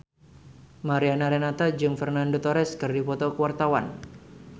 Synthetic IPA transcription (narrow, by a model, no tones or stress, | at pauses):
maɾianaɾenat̪ad͡ʒɨŋfərnandot̪ɔɾɛskɨrdipɔt̪ɔkəwart̪awa̰n